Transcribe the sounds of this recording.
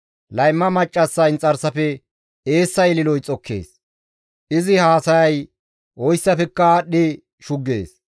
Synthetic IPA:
lɐjmːɐmɐt͡ʃʼːɐsːɐɪnt͡sʼɐɾsɐfɛ | eːsːɐjlɪlɔjt͡sʼɔkʰːḛːs | ʔɪzɪhaːsɐjɐj | ʔɔjsːɐfɛkːɐaɗːɪ | ʃʊɡːḛːs

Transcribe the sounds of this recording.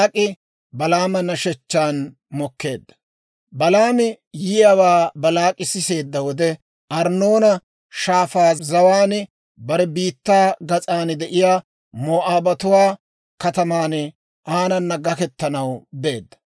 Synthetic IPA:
ɐkʼɪ | bɐlaːmɐnːɐʃɛt͡ʃːaːn | mɔkːe̞ːd̪ːɐ̥ | bɐlaːmɪ | jɪjɐwaːbɐlaːkʼɪsɪse̞ːd̪ːɐwɔd̪ɛ | ʔɐɾnːo̞ːnɐ | ʃaːfaːzɐwaːn | bɐɾɛbiːt̪ːaːɡɐt͡sʼaːnd̪ɛʔɪjaː | moːʔaːbɐt̪ʊwaː | kɐt̪ɐmaːn | ʔaːnɐnːɐɡɐkɛt̪ːɐnɐwbe̞ːd̪ːɐ̥

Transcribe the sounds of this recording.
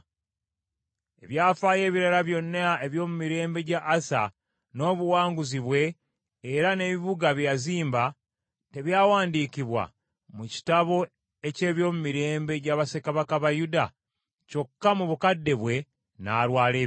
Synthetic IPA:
e̞βjaːfaːje̞ːβiɾalaβjo̞nːaeβjo̞ːmumiɾe̞ːmbe̞ɟaʔːsa̰ | no̞ːβuwaːŋɡuziβwe̞ː | ɾane̞βiβuɡaβjaziːmba | te̞βjaːwaːndiːkiβwa̰ | muci̥taβo̞ | e̞ce̞ːβjo̞ːmumiɾe̞ːmbe̞ɟaβase̞kaβakaβajuda | co̞kːamuβukadːe̞βwe̞ | naːlwaːleː

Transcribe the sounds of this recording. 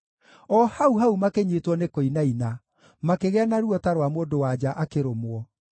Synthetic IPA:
ɔhauɦaumakeɲeːtwɔnekoinaina | makeɣɛanaɾuɔtaɾwamoːndowad͡ʑaʔakeɾomwɔ

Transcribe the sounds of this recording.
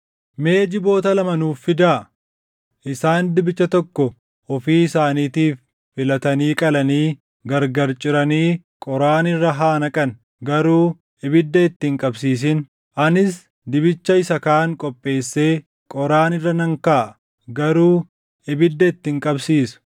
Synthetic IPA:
me̞ːd͡ʒɪbo̞ːt̪ɐlɐmɐnuːfːɪd̪aː | ʔɪsaːnd̪ɪbɪt͡ʃːɐt̪ɔkːɔ | ɔfiːɪsaːniːt̪iːfː | ɪlɐt̪ɐniːkʼɐlɐniː | ɡɐɾɡɐɾt͡ʃʼɪɾɐniː | kʼɔɾaːnɪrːɐɦaːnɐkʼɐn | ɡɐɾuː | ɪbɪd̪ːɐɪt̪ːɪŋkʼɐbsiːs̬ɪn | ʔɐnɪs | d̪ɪbɪt͡ʃːɐɪsɐkaːŋkʼɔpʼːe̞ːsːe̞ː | kʼɔɾaːnɪrːɐnɐŋkaːʔ | ɡɐɾuː | ɪbɪd̪ːɐɪt̪ːɪŋkʼɐbsiːsʊ̥

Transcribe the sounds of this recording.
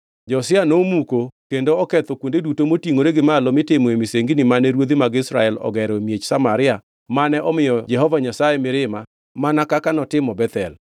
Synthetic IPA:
d͡ʒɔsɪanomukokendoɔkɛt̪ɔkwondedutomotiŋoɾeɡɪmalɔmɪtɪmɔemiseŋɡinɪmanɛɾwod̪imaɡɪsɾa̰ɛlɔ̰ɡɛɾomjet͡ʃsamaɾɪa | manɛʔɔmɪjɔd͡ʒɛɦɔvaɲasajemɪɾɪma | manakakanɔtɪmɔbɛt̪ɛl

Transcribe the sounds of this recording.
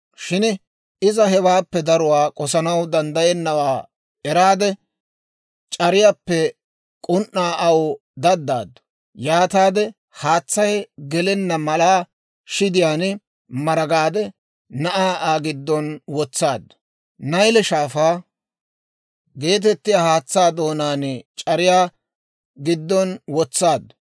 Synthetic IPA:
ʃɪn | ɪzɐɦɛwaːpːɛd̪ɐɾʊwaːkʼɔsɐnɐwd̪ɐnd̪ɐjɛnːɐwaː | ɛɾaːd̪ɛ | t͡ʃʼɐɾɪjapːɛ | kʼʊnʔːaːʔɐw | d̪ɐd̪ːa̰ːd̪ːʊ̥ | jaːt̪aːd̪ɛ | haːt͡sːɐjɡɛlɛnːɐmɐlaː | ʃɪd̪ɪjaːn | mɐɾɐɡaːd̪ɛ | nɐʔaːʔaːɡɪd̪ːɔnwɔt͡sːaːd̪ːɐ̥ | nɐjlɛʃaːfaː | ɡe̞ːt̪̬ɛt̪ːɪjaːhaːt͡sːaːd̪o̞ːnaːnt͡ʃʼɐɾɪjaː | ɡɪd̪ːɔnwɔt͡sːaːd̪ːɐ̥

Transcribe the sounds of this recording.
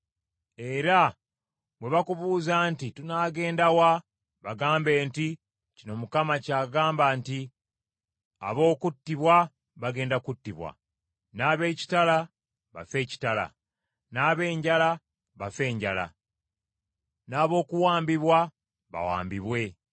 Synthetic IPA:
e̞ɾa | βwe̞βakuβuːzantitunaːɡe̞ːndawa | βaɡaːmbe̞ːnti | cino̞mukamacaːɡaːmbaːnti | a̰βo̞ːkutːiβwa | βaɡe̞ːndakutːiβwa̰ | naːβe̞ːci̥tala | βa̰fe̞ːci̥tala̰ | naːβe̞ːɲɟala | βafe̞ːɲɟa̰la̰ | naːβo̞ːkuwaːmbiβwa | βa̰wa̰ːmbiβwe̞

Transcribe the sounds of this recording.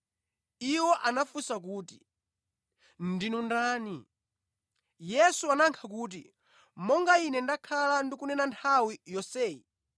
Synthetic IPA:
iwɔʔanafusak̬uːti̥ | ndinundaːni | jɛsuanaŋkʰak̬uːt̬ḭ | mɔŋɡainɛndakʰalandikunɛnantʰawijɔsɛːi

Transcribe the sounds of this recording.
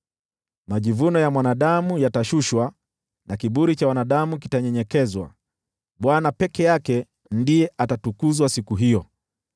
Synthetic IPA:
maʄivunɔjamwanaɗamujataʃuʃwa | nʔakiɓuɾit͡ʃawanaɗamuk̬itaɲɛɲɛkɛzwa̰ | ɓwanapɛkɛjakɛ | ndijɛʔatatukuzwasikuɦijɔ

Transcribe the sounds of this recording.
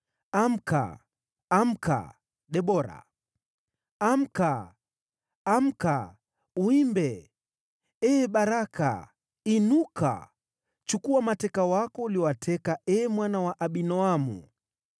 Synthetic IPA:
am̩ka̰ː | m̩ka̰ | ɗɛɓɔɾa̰ | am̩ka | m̩ka | uimbɛ | ɛːɓaɾaka̰ | inuka̰ | t͡ʃukuwamatɛkawakɔuliwatʰɛkaʔɛːmwanawaʔaɓinɔamṵ

